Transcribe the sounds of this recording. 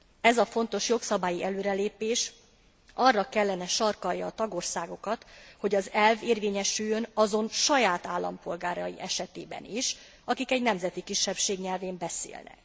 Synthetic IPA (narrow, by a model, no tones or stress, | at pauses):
ɛzɒfo̞nt̪o̞ʃjo̞ksɒbaːjiʔɛløːɾɛleːpeːʃ | ʔɒrːɒkɛlːɛnɛʃɒrkɒjɒːt̪ɒɡo̞rsaːɡo̞kɒt̪ho̞ɟɒzɛlveːrveːɲɛʃyjːønɒzo̞nʃɒjaːt̪aːlːɒ̰mpo̞lɡaːɾɒjḭʔɛʃɛt̪ḛːbɛ̰niʃ | ɒkikɛɟnɛmzɛt̪ikiʃːɛpʃeːɡɲɛlveːmbɛsḛːlnɛ̰k